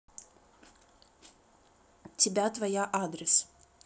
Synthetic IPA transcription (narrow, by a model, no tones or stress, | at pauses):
t̪ʲibʲæt̪ʋɐjaʔɑːd̪ʲɾʲɪs